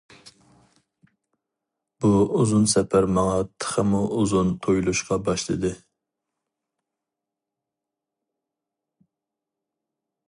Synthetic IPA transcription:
b̥uuzunsɛpʰæɾmɑŋɑt̪ʰə̥χəmuʔuzunt̪ʰojlˠuʃqɑbɑʃlˠɨd̪ɨ

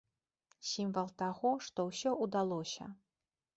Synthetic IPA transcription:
sʲimvɐlˠt̪aɣɔʂt̪ɔwsʲɔʔud̪alˠɔsʲɐ̰

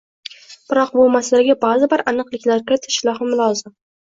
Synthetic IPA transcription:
b̥ɪɾɒq̚bʊmaslaɡʲabazɪbɪɾʔanɨqlˠɪkʲlaɾkʲʰɪɾɪt̪ʰɪ̥ʃɪlˠɒhɪmʊlˠɒzɪm

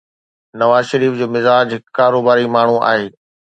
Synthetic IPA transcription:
nɐʋaːzʃɐɾiːfd͡ʑoːmɪzaːd͡ʑɦɪkkːaːɾoːbaːɾimaːɳ̤ũa̰ːɦeː

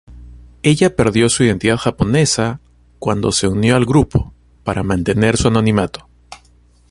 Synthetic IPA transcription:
e̞ʝape̞ɾðjo̞suið̞e̞nt̪iðaðxapo̞ne̞sa | kwand̪o̞se̞unjo̞alɣɾupʰo̞̥ | paɾʔamãnt̪e̞ne̞ɾsuano̞nĩmat̪o̞̥

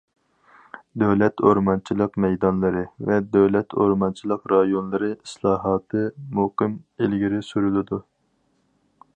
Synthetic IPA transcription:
d̪øwlɛt̪ʰoɾmɑnt͡ʃʰilˠəqmɛjd̪ɑnlˠɨɾɨvɛd̪øwlɛt̪ʰo̰ɾmɑnt͡ʃʰilˠəqɾɑjonlˠɨɾɨislˠɑːɦɑːt̪ʰɨmoqɨmelɡʲiɾɪsyɾylˠɨd̪u

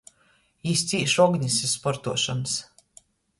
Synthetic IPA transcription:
ist̪sʲiːʃɔɡɲʲissːpɔɾt̪uɔʃans

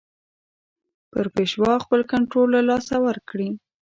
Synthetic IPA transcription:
pəɾpeʃwɑxpəlkaɳʈɾolːalɑsawəɾkɽi

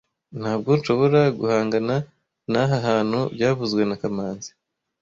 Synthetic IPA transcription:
n̥haːb̚ɡo̞nʃo̞βo̞ɾaɡṵhaːŋɡana | naɦaɦaːn̥hubɟaːβuzɡwe̞nakamaːnzi̥

